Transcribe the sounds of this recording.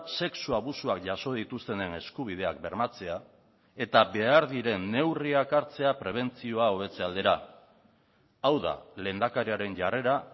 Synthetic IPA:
se̞ksuaβ̞usuakʝaso̞ð̞it̪ust̪e̞nene̞skuβ̞ið̞e̞ak̚be̞ɾmat͡se̞a | e̞t̪abe̞aɾðiɾe̞nːe̞wriakaɾt͡se̞apɾe̞β̞e̞nt͡sio̞ao̞β̞e̞t͡se̞ald̪eɾa | awða̰le̞ːnd̪akaɾiaɾe̞nʝare̞ɾa

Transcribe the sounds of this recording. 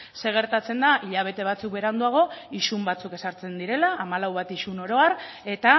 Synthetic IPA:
se̞ɣ̞e̞ɾt̪at͡se̞nd̪aʔiʎaβ̞e̞t̪e̞β̞at͡suk̚be̞ɾand̪uaɣ̞o̞iʃumbat͡suke̞saɾt͡se̞nd̪iɾe̞laʔːmalawβat̪iʃuno̞ɾo̞aɾ | e̞t̪a

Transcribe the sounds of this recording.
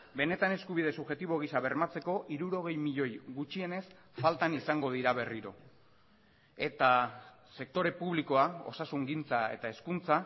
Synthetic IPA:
be̞ne̞t̪ane̞skuβ̞ið̞e̞suβʝe̞t̪iβo̞ɣ̞isaβe̞ɾmat͡se̞ko̞ʔiɾuɾo̞ɣ̞e̞jmiʎo̞jɣut͡ʃie̞ne̞s | falt̪anisaŋɡo̞ð̞iɾaβ̞e̞riɾo̞̰ | e̞t̪a | se̞k̚t̪o̞ɾe̞puβliko̞ao̞̰sasuŋɡint͡sae̞̰t̪ae̞skunt͡sa

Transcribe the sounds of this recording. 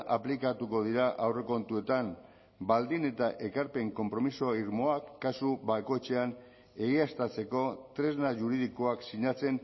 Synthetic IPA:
ʔaplikat̪uko̞ð̞iɾaʔawre̞ko̞nt̪ue̞t̪am | bald̪ine̞t̪aʔe̞kaɾpe̞ŋko̞mpɾo̞misoaiɾmo̞akːasuβako̞t͡ʃe̞an | e̞ɣiast̪at͡se̞ko̞t̪ɾe̞znaʝuɾið̞ikoaksiɲat͡se̞n

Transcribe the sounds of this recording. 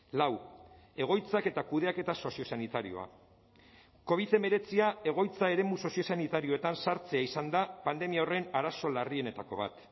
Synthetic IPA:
lawe̞ɣ̞o̞jt͡sake̞t̪akuð̞e̞ake̞t̪aso̞sio̞sanit̪aɾio̞̰a̰ | ko̞β̞iðe̞me̞ɾe̞t͡siae̞ɣ̞o̞jt͡sae̞ɾe̞muso̞sio̞sanit̪aɾioe̞t̪ansaɾt͡seaisand̪apand̪e̞miao̞re̞naɾaso̞larie̞ne̞t̪ako̞βa̰t̪

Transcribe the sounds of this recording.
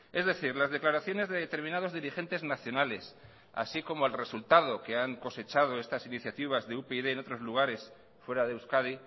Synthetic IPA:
e̞zðe̞θiɾlazð̞e̞klaɾaθjone̞zðe̞ðet̪e̞ɾmĩnað̞o̞zðiɾixe̞nt̪e̞znaθjo̞nale̞s | a̰siko̞moelre̞sult̪að̞o̞keaŋko̞se̞t͡ʃað̞o̞e̞st̪asiniθjat̪iβ̞azðeupeiðe̞ːno̞t̪ɾo̞zluɣ̞aɾe̞s | fwe̞ɾaðewskaði

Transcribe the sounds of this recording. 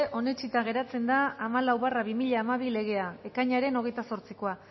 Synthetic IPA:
ʔo̞ne̞t͡ʃit̪aɣe̞ɾat͡se̞nd̪aːmalawβaraβimiʎaːmaβ̞ile̞ɣ̞e̞ae̞kaɲaɾe̞no̞ɣ̞e̞jt̪aso̞ɾt͡siko̞a

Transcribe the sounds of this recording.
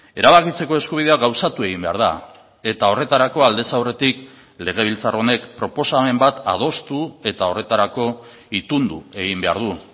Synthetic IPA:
e̞ɾaβakit͡se̞ko̞e̞skuβ̞iðe̞aɣawsat̪ue̞ɣ̞imbe̞a̰ɾð̞a̰ | e̞t̪ao̞re̞t̪aɾako̞ald̪e̞sawre̞t̪ik | le̞ɣ̞e̞β̞ilt͡saro̞ne̞kpɾo̞po̞same̞mbat̪a̰ð̞o̞st̪ue̞t̪ao̞re̞t̪aɾako̞ | it̪und̪ue̞ɣimbe̞a̰ɾðu

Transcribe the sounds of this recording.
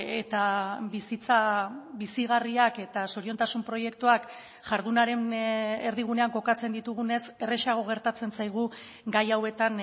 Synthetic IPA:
et̪abisit͡saβisiɣ̞ariake̞t̪asoɾiont̪asumpɾo̞je̞kt̪uak | ʝaɾðunaɾe̞neɾðiɣ̞une̞aŋko̞kat͡se̞nd̪it̪uɣ̞une̞se̞re̞ʃaɣ̞o̞ɣ̞e̞ɾt̪at͡se̞nsajɣ̞u | ɡajawe̞t̪an

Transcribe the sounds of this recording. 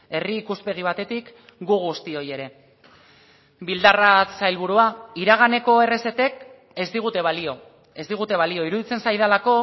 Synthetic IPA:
e̞riːkuspe̞ɣ̞iβ̞at̪e̞t̪ik | ɡuɣust̪io̞je̞ɾe̞ | bild̪arasajlβ̞uɾuaiɾaɣ̞ane̞ko̞e̞re̞se̞t̪e̞k | e̞zd̪iɣ̞ut̪e̞βalio̞ | e̞zd̪iɣ̞ut̪e̞βalio̞iɾuðit͡se̞nsajðalako̞

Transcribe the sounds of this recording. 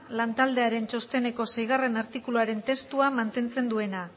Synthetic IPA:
lant̪ald̪e̞aɾe̞nt͡ʃo̞st̪e̞ne̞ko̞sejɣ̞are̞naɾt̪ikuluaɾe̞nt̪e̞st̪uamant̪e̞nt͡se̞nd̪ue̞na

